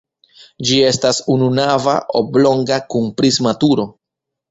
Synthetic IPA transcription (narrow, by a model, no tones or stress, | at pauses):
d͡ʒie̞stasununava̰oblo̞ŋɡakunpɾizmatuɾo̞